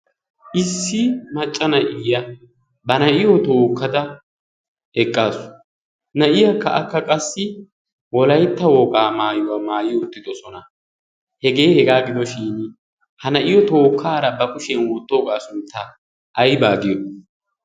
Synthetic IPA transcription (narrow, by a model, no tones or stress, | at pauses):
ʔɪsːɪmɐt͡ʃʼːɐnɐʔɪjɐ | bɐnɐʔɪjɔt̪o̞ːkːɐd̪ɐ | ɛkʼːaːsʊ̥ | nɐʔɪjɐkːɐ̰ʔɐkːɐkʼɐsːɪ | wɔlɐjt̪ːɐwɔɡaːmaːjʊwaːmaːjɪjɔʊt̪ːɪd̪ɔsɔnɐ | hɛɡe̞ːhɛɡaːɡɪd̪ɔʃɪn | hɐnɐʔɪjɔt̪o̞ːkʰːaːɾɐbɐkʼʊʃɛnwɔt̪ːoːɡaːsʊnt̪ʰːɐ | ʔːjbaːɡɪjɔ